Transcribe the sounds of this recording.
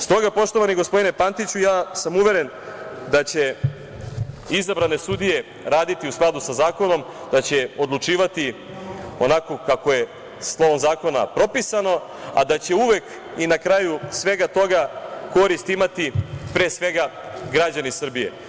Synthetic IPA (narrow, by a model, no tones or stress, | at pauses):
st̪o̞ɡapo̞ʃt̪oʋaniɡospo̞d̪ine̞pant̪it͡ɕujaːsamuʋe̞ɾe̞n | d̪at͡ɕe̞ | izabɾane̞sud̪ije̞ | ɾaːd̪it̪iusklˠad̪usazaːko̞no̞m | d̪at͡ɕe̞o̞d̪lˠut͡ʂiːʋat̪i | o̞nako̞kako̞je̞ | slˠo̞ʋo̞mzaːko̞na̰pɾo̞pisano̞ | a̰d̪at͡ɕe̞uʋe̞k | inakɾajusʋe̞ɡat̪o̞ɡako̞ɾist̪imat̪ipɾe̞ːsʋe̞ɡaɡɾad͡ʑanisr̩bije̞̰